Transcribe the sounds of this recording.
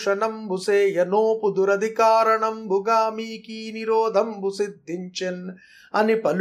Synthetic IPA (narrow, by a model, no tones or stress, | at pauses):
ʂɐɳɐmbuseːjɐnoːpud̪uɾɐd̪ʱikaːɾɐɳɐmbʱuɡaːmiːkiːniɾoːd̪ʱɐmbusid̪ʱːiɲt͡ʃen | ɐnipɐl